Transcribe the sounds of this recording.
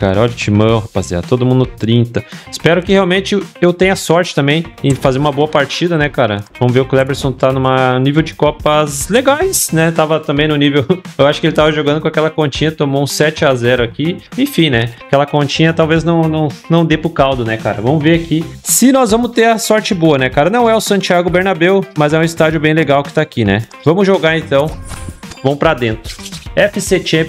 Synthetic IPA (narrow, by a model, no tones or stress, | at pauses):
ka̰ɾɐɔʎɐt͡ʃimɐ̃hapazia̰t̪od̪ʊmũnd̪ʊt̪ɾĩnt̪ɐɪspɛɾʊkɪheawmẽnt͡ʃɪewt̪ẽɲ̃ɐsɔɾt͡ʃɪt̪ɐ̃mbẽj̃ɪ̃fazeɾumɐboɐpaɾt͡ʃid̪ɐnɛkaɾɐ̰vɐ̃mʊveɾʊklɛbeɾsõt̪anũmɐnivewd͡ʒɪkɔpɐzleɡajsnɛt̪avɐt̪ɐ̃mbẽj̃nʊnivewewaʃʊ̥kɪelɪt̪avɐʒoɡɐ̃d̪ʊkõakɛlɐkõt͡ʃĩɲɐt̪õmowũsɛt͡ʃɪazɛɾʊakiẽfĩnɛkɛlɐkõt͡ʃĩɲɐt̪awveznɐ̃w̃nɐ̃w̃nɐ̃w̃d̪epʊkawd̪ʊnɛka̰ɾɐ̰vɐ̃mʊveɾakisɪnɔzvɐ̃mʊst̪eɾɐsɔɾt͡ʃɪboɐnɛkaɾɐnɐ̃w̃ɛʊsɐ̃t͡ʃiaɡʊbeɾnabewmɐzɛũɪst̪ad͡ʒʊbẽj̃leɡawkɪ̥t̪aːkinɛ̰ | vɐ̃mʊzʒoɡaɾẽt̪ɐ̃w̃vɐ̃w̃pɾad̪ẽnt̪ɾʊ̥ɛfɪset͡ʃe